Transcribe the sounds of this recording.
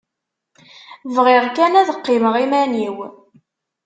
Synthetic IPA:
vʁɪʁkænæðəqːɪməʁimæniw

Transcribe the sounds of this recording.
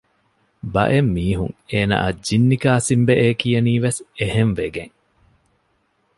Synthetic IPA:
bɐ̰ʔemːiːɦuŋeːna̰ːɐd͡ʒinːikaːsimbeʔeːkijɐniːʋeseheɱʋeɡeŋ

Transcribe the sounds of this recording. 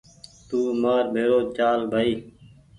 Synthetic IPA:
t̪uːmaːɾbʱeːɾoːt͡ʃaːlbʱaːiː

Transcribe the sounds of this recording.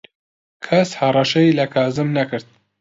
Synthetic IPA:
kʰɐshɐrˤɑʃɐjlɐkʰaːzɨmnɐkɨɾt̪̚

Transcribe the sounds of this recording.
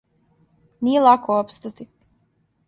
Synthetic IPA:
nijelˠakoopst̪at̪i

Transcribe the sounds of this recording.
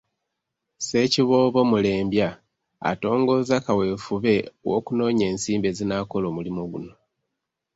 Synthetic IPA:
se̞ciβo̞βo̞mule̞ːmbja | a̰to̞ːŋɡo̞zakawe̞ːfuβe̞wo̰kuno̞ːɲe̞ːnsiːmbe̞zinaːko̞lo̞ːmulimoɡuno̞

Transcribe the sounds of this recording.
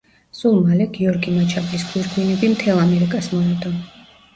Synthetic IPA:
sulˠmalɛɡiɔɾɡimat͡ʃʰablisɡʰwiɾɡwinɛbimt̪ʰɛlˠamɛɾikʼasmɔɛd̪ɔ

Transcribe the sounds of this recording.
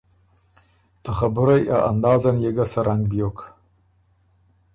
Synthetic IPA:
t̪aχabuɾajʔa̰ʔa̰nd̪ɑːzanjeɡasaɾaŋɡbijok

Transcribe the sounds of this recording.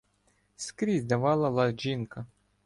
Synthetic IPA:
skɾʲizʲd̪ɐʋɑlˠɐlˠɐd͡ʒʲinkɐ

